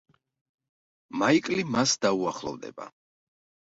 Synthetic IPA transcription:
maikʼlimasd̪auaχlˠɔ̰vd̪ɛ̰ba̰

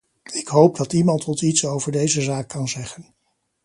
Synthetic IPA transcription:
ɪkɦowp̚dɑtimɑntʰɔtitsowvəɹdejzəzaːkːɑnzɛχən

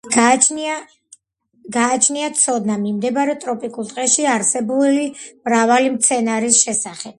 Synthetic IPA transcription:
ɡa | ɡaːt͡ʃʰniat̪sʰɔd̪namimd̪ɛbaɾɛt̪ʼɾɔpʼikʼulˠt̪ʼqʼɛʃiaɾsɛbulimɾavalimt̪sʰɛnaɾisʃɛsaχɛb̥̚

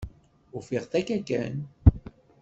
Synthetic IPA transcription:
ʊfiʁθækːækːæ̰n

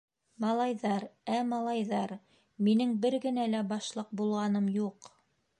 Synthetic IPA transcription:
mɑlˠɑjðɑɾæmɑlˠɑjðɑɾ | minɘŋbɘɾɡɘ̆nælæbɑʃlˠɤq̚bulˠʁɑnɤmjuq

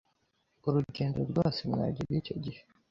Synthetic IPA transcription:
uɾuɟe̞ːndoɾɡoːsemŋa̰ːɟibɡiːco̞̰ɟihe̥

